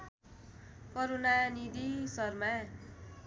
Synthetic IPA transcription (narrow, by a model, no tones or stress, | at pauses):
kʌɾonanid̪isʌrma